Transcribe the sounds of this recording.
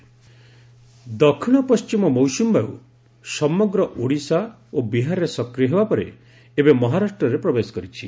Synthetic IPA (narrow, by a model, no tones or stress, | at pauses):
d̪ɔkʰiɽ̃ɔpɔst͡ʃimɔmɔwsumbaṵ | sɔmɔɡɾɔʔoɽisa | obiɦaɾɾesɔkɾijɔɦebapɔɾḛ | ebemɔɦaɾasʈɾɔɾepɾɔbesɔ̥kɔɾit͡ʃʰi